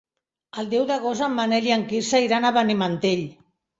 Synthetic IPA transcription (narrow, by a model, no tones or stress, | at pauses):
ald̪ewðaɣozamːaneljaŋkiɾsaiɾanaβanemant̪eʎ